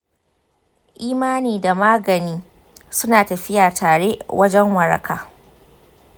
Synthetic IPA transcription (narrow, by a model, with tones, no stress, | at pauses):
ʔiː˦maː˦niː˨da˨maː˦ɡɐ˨niː˦ | sʊ˦naː˨tɐ˨ɸɪ˦jaː˨tʰaː˨ɽe˦ʔwɐ˦d͡ʒɛ˦ŋwɐ˨ɾɐ̰˨kʰaː˨